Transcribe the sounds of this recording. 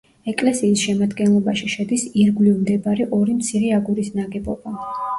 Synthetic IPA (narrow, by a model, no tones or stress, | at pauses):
ɛkʼlɛsiːsʃɛmad̪ɡɛnlˠɔbaʃiʃɛd̪isiɾɡlivmd̪ɛbaɾɛʔɔɾimt̪sʰiɾɛaɡuɾisnaɡɛbɔ̰ba